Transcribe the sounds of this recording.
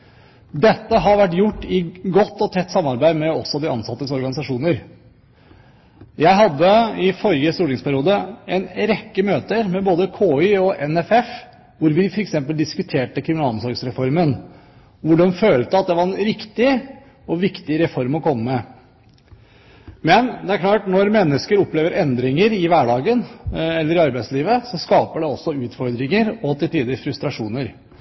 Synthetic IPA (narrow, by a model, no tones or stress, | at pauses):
d̪ɛt̪ːəɦɑɾʋæʈːjʊʈːɪɡɔt̪ːɔt̪ʰɛt̪ːsɑmːɑɾbæɪd̪mɛɔsːɔd̪ɪɑ̰nsɑt̪ːəsɔɾɡɑnɪsɑʂuːnəɾ | jæɪɦɑd̪ːəɪfɔɾɪəst̪uːʈɪŋspʰæɾɪjuːd̪əɛɪnɾɛkːəmøːt̪əɾmɛboːd̪əkʰoːʏɔʔɛnɛfɛf | ʋʊɾʋɪfɔɾɛksɛmpəld̪ɪskʉt̪ʰeːʈəkʰɾɪmɪnɑlɔmsɔɾɡsɾɛfɔɾmən | ʋʊɖɔmføːlt̪əɑt̪̚d̪ɛʋɑɾɛnɾɪkt̪ɪ | ɔʋɪkt̪ɪɾɛfɔɾmɔkʰɔmːəmɛ | mɛnd̪ɛæɾkʰlɑːʈnɔɾmɛnːəskəɾɔpːleːʋəɾɛnd̪ɾɪŋəɾɪʋæɖɑːɡənɛlːəɾɪɑɾbæɪsliːʋəsɔskɑːpəɖɛɔsːɔʉːt̪fɔɾd̪ɾɪŋəɾɔt̪ɪlt̪ʰiːd̪ɪfɾʉst̪ɾɑʂuːnəɾ